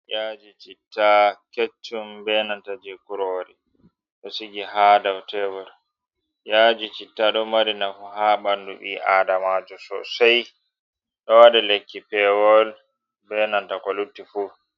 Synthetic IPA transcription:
jad͡ʒit͡ʃitːaket͡ʃːumbɛnantad͡ʒɛkuɾɔwɾi | ɗɔsiɡiɦadawtɛwɔl | jad͡ʒit͡ʃitːaɗɔmaɾinafuɦaɓandṵɓḭʔaːdamad͡ʒɔsɔ̰saj | ɗɔwaɗɛlekːipɛwɔl | bɛnantakɔlutːifu

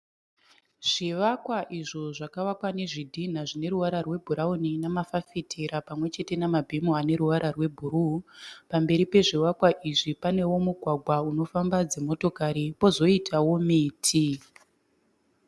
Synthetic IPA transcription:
ʐ̥iʋakwaʔiʐo̞ʐakaʋakwane̞ʐidʱin̤aʐine̞ɾuʋaɾarwe̞bʱuɾauninamafafitʰeɾapamwe̞t͡ʃe̞te̞namabʱimuane̞ɾuʋaɾʔarwe̞bʱuɾupambe̞ɾipe̞ʐiʋakwaʔiʐipane̞wo̞muɡʱwaɡʱwauno̞fambad͡zemo̞to̞kaɾipo̞zo̞itʰawo̞miːtʰi

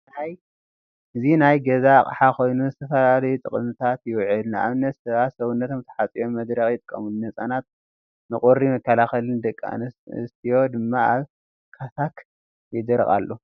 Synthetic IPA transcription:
ħaj | ʔɨzinajɡɐzakʼħako̞jnuzɨt̪ʰɐfɐlalɐjut̪ʼɨχʼɨmɨt̪ʰat̪jɪwʕɨlnʔa̰βɨnːɐt̪sɐβat̪sɐβunːɐt̪ʰo̞mt̪ʰɐ̥ħat͡sʼijo̞mːɐd̪ɾɐxjɪt̪ʼɨkʼːɐmulunɐt͡sʼanat̪̚ | nɨkʼoɾimɐkʰːɐlaxɐlɨnd̪ɨkʼːa̰nɨ̰st̪ʰijo̞d̪ɨmːaaβ | kʰat̪ʰak | jɪd̪ɨɾχʼa̰lːo

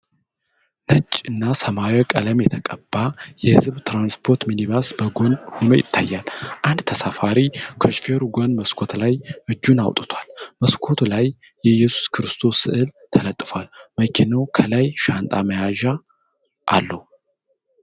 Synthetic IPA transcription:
nət͡ʃʼɨnːasəmawokʼələmjɛt̪ʰəkʼəbːajɛhɨzβt̪ɾanspʰo̞ɾt̪miniβasbəɡonhono̞̰jɪ̰t̪ʰːajːalʔand̪t̪ʰəsafaɾikʰoʃfeɾuɡonməskʷʰo̞t̪lajʔɨd͡ʒːuna̰wt̪ʼɨt̪ʰwalməskʰo̞t̪ʰulajː | ɛjɛsu̥skʰɨɾɨst̪ʰo̞sːɨ̰ʔɨlt̪ʰələt̪ʼːɨfwalməkʰɛnawkʰəlajʃant̪ʼaməjaʒa | ʔa̰lːəu

